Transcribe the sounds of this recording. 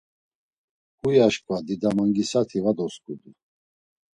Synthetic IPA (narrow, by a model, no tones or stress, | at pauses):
kujaʃkʼvad̪id̪amaŋɡisat̪ʰivad̪ɔskʼud̪u